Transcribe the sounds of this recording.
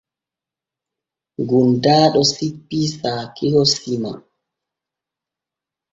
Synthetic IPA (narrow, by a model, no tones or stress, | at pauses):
ɡundaːɗɔsipːisaːkihosima̰